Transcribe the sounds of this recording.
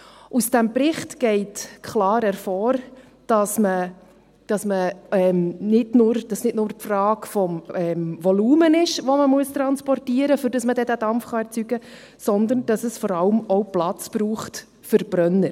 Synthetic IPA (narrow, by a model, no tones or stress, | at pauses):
usd̥æmpɾɪχtɡ̥ɛɪtkʰχlɑːɾɛɾfɔːɾ | d̥ɑsmə | d̥ɑsməɛmnɪdnʊːɾd̥ɑsnɪtnʊːɾtfrɑːkfɔmɛmʋɔluːmənɪʃʋɔməmuəst̪ɾɑnspɔrtiəɾəfʏɾdɑsmədɛdæd̥ɑmfχɑɛɾt͡syɡə | sɔnd̪ənd̥ɑsəsfɔɾɑlmɔʊplɑt͡spɾuːχt | fʏɾb̥ɾœnːəɾ